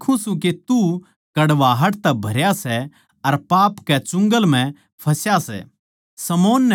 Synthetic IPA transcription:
kʰũsũk̬et̪u | kɐɽʋaːɦɐʈt̪ɛbʱɐɾjasɛ | ɐɾpaːpkɛt͡ʃʊ̃ŋɡəlm̤ɛ̃ | pʰɐsjasɛ̰ | sɐmoːnːɛ

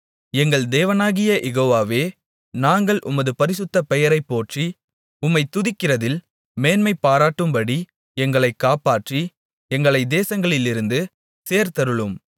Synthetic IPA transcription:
ɛŋɡɐɭd̪eːʋɐnaːɣɪjɐʔɛɣoːʋaːʋeː | naːŋɡɐɭʔʊ̰mɐðɯpɐɾɪsɯt̪ːɐpɛjɐɾɐɪpːoːʈri | ʊmːɐɪt̪ʊðɪkːɪrɐðɪl | meːnmɐɪpːaːɾaːʈːɯmbɐɽi | ɛŋɡɐɭɐɪkːaːpaːʈri | ɛŋɡɐɭɐɪd̪eːsɐŋɡɐɭɪlɪɾɯnd̪ɯ | seːɾt̪ɐɾɯɭɯm

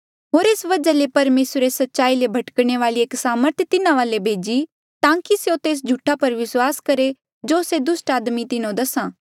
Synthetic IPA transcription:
ɦoːɾeːsʋɐd͡ʒalepɐɾmeːsɾesɐtːʃaːilebʱɐʈkɽ̃eʋaːlieːksaːməɾt̪ʰjt̪ɪnãʋaːlebʱeːd͡ʒi | t̪ãːkiseot̪eːs̬d͡ʒʱuːʈʰapɐɾʋɪswaːskɐɾe | d͡ʒoːsed̪ʊsʈaːd̪mit̪ɪnõd̪ɐsãː

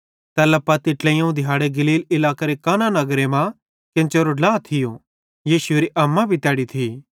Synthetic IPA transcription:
t̪ɛːlɐpːɐt̪ɪʈlɛ̃jãũd̪ʱɪjaːɽeɡɐliːlɪlaːkaɾekaːnanɐɡɾemã | kɪ̃nt͡ʃeɾolaːt̪ʰɪjo | jiːsʊeːɾiʔɐmːabʱit̪ɛːɽit̪ʰi

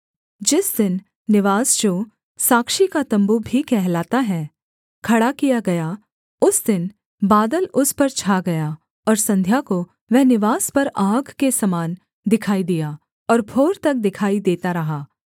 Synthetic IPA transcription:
d͡ʒɪsd̪ɪnː | ɪʋaːsd͡ʒoː | saːkʃikat̪ɐ̃mbubʱikɛɦlaːt̪aɦɛː | kʰɐɽakijaɡɐja | ʊsd̪ɪn | baːd̪əlʊspɐɾt͡ʃʰaːɡɐja | ɔːɾsɐ̃nd̪ʱjako | ʋɛɦnɪʋaːspɐɾaːɡkesɐmaːn | d̪ɪkʰaːid̪ijaː | ɔːɾbʰoːɾt̪ɐk̚d̪ɪkʰaːid̪eːt̪aɾɐɦaː

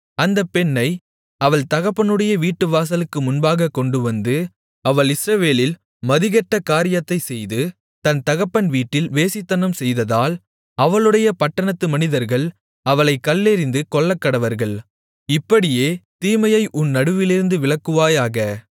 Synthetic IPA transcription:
ɐnd̪ɐpːɛɳːɐɪ | ɐʋɐɭt̪ɐɣɐpːɐnɯɽɐjɐʋiːʈːɯʋaːs̬ɐlɯkːɯmʊnbaːɣɐkːɔɳɖɯʋɐnd̪ɯ | ɐʋɐɭɪsɾɐʋeːlɪl | mɐðɪɣɐʈːɐkaːɾɪjɐt̪ːɐɪsɛjðɯ | t̪ɐnt̪ɐɣɐpːɐnʋiːʈːɪlʋeːsɪt̪ːɐnɐmsɛjðɐðaːl | ɐʋɐɭɯɽɐjɐpɐʈːɐɳɐt̪ːɯmɐnɪðɐɾɣɐɭ | ɐʋɐɭɐɪkːɐlːɛɾɪnd̪ɯkɔɭːɐkːɐɽɐʋɐɾɣɐɭ | ɪpːɐɽɪjeːt̪iːmɐjɐɪʔʊnːɐɽɯʋɪlɪɾɯnd̪ɯʋɪɭɐkːɯʋaːjaːɣɐ

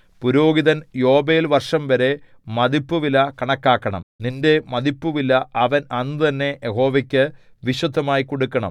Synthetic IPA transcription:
puɾo̞ːɡiðɐnjoːbejilʋɐrʂɐmʋɐɾe̞ | mɐðipːuʋilɐkɐɳɐkːaːkːɐɳɐ̰mninde̞mɐðipːuʋilːɐɐʋɐnɐnːɨt̪ɐnːe̞jeɦo̞ːʋɐkʲːɨ | ʋiɕɐd̪ʱːɐmaːjiko̞ɽukːɐɳɐ̰m

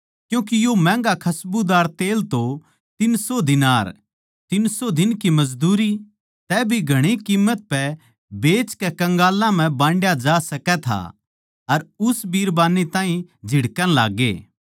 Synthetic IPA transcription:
kjũːk̬ijomɛ̃ːŋɡakʰɐsbud̪aːɾt̪eːlt̪o | t̪ɪnsod̪ɪnaːɾ | t̪ɪnsod̪ɪnkimɐzd̪uːɾi | t̪ɛbʱiɡʱɐɽ̃ikiːmːət̪̚pɛ | beːt͡ʃkɛkɐ̃ŋɡaːlãm̤ɛ̃bãːɳɖjad͡ʒaːsɐkɛt̪ʰa̰ | ɐɾʊsbiːɾbaːnet̪ãːĩd͡ʒʱɪɽkəñla̰ːɡḛː

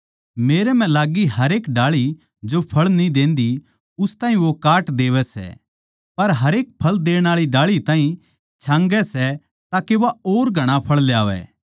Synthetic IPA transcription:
meːɾɛm̤ɛ̃laːɡiɦɐɾeːkɖaːɭi | d͡ʒopʰɐɭnĩd̪ẽːnd̪i | ʊst̪aːɦĩʋokaːʈd̪eːʋɛsɛ̰ | pɐɾɦɐɾeːk̚pʰɐld̪eːɽ̃aːɭiɖaːɭit̪aːɦĩ | t͡ʃʰãːŋɡɛsɛ | t̪aːkeʋaoːɾɡʱɐɽ̃ãpʰɐɭljaːʋɛ̰ː

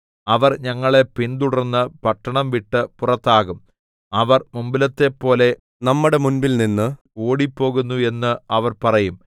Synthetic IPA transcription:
ɐʋɐrɲɐŋːɐɭe̞pind̪uɽɐrnːɨpɐʈːɐɳɐmʋiʈːɨpurɐt̪ːaːɣum | ɐʋɐrmumbilɐt̪ːe̞pːo̞ːle̞ | nɐmːuɽe̞munbilninːɨ | oːɽipːo̞ːɣunːue̞nːɨɐʋɐrpɐrɐjum

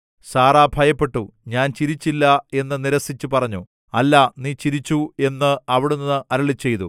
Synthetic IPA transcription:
saːraːbʱɐjɐpːe̞ʈːuɲaːnt͡ɕiɾit͡ɕːilːɐe̞nːɨniɾɐsit͡ɕːupɐrɐɲːu | ɐlːaniːt͡ɕiɾit͡ɕːue̞nːɨɐʋiɽunːɨʔɐɾɐɭit͡ɕːe̞jt̪u

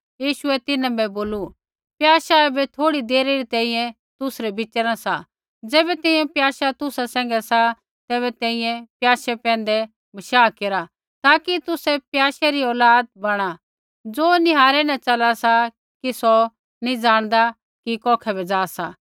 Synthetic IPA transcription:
jiːʃʊɛt̪ɪnãbɛboːlu | pjaːʃaɛbɛt̪ʰoːɽid̪eːɾeɾit̪ɛ̃ːĩjɛ̃ | t̪ʊsɾɛbɪt͡ʃəɾasa | d͡zɛːbɛt̪ɛ̃ːĩjɛ̃pjaːʃat̪ʊsasɛ̃ːŋɡɛsa | t̪ɛːβɛt̪ɛ̃ːĩjɛ̃pjaːʃɛpɛ̃ːn̆d̪ɛ | bɐʃaːkeːɾa | t̪aːkit̪ʊsɛpjaːʃaɾiɔːlaːd̪̚bɐɽ̃a | d͡zoːnɪɦaːɾɛnɐ̃t͡ʃɐlasa | kisɔ | nĩd͡zaːɽ̃d̪a | kikɔːkʰɛbɛd͡zaːsa

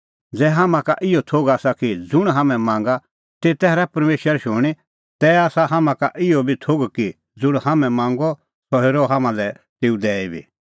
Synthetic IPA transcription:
d͡zɛːɦamãka̰ʔɪɔt̪ʰoɡaːsakid͡zʊɽ̃ɦamɛ̃mãːŋ̆ɡa | t̪et̪ɛːɾɛpɐɾmeːʃəɾʃʊɽ̃i | t̪ɛaːsaɦamãkaʔɪɔbʱit̪ʰoːɡki | d͡zʊɽ̃hamɛ̃mãːŋɡɔ | sɔɦeːɾɔɦamãlɛ | t̪eːũd̪ɛːibʱḭː

